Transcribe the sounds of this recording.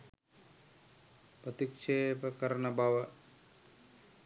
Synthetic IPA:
pɾɐt̪ikʂeːpɐkɐɾnɐbʱaʋɐ

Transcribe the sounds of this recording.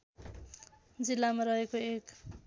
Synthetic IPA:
d͡zilːamaɾʌɦekoek

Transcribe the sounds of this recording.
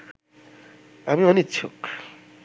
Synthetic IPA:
amimanitːɕʰo̰k

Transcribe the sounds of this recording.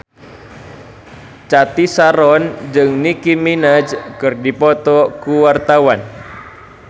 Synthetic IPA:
t͡ʃat̪isaɾɔnd͡ʒɨŋnikiminad͡ʒkɨrdipɔt̪ɔkuwart̪awan

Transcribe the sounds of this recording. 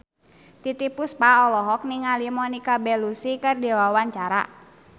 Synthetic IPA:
t̪it̪ipuspaɔlɔɦɔk̚niŋalimɔnikabɛlusikɨrdiwawaɲt͡ʃaɾa̰

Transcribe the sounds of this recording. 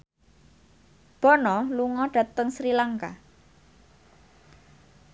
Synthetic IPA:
b̥ɔnɔluŋɔɖ̥ä̤t̪əŋsɾilaŋka̰

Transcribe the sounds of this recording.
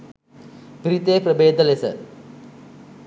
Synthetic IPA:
piɾit̪eːprəbeːd̪əlesə̰

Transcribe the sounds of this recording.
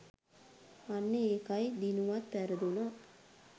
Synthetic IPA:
anːeeːkajd̪inuʋat̪ʋæɾəd̪una

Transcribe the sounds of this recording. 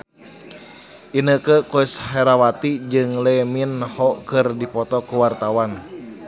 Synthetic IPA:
ʔinəkəkoishɛɾawat̪id͡ʒɨŋleminhɔkɨrdipɔt̪ɔkuwart̪awan

